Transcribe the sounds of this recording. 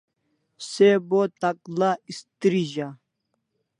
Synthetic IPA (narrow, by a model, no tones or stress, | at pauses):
sebot̪aklaist̪ɾiʑa